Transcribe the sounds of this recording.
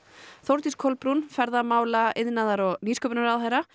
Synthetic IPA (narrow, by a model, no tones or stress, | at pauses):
θowɾt̪iskʰɔlpɾunfɛɾðamaːwlaɪðnaðaɾɔɣniːskœpnaɾaðɦajɾa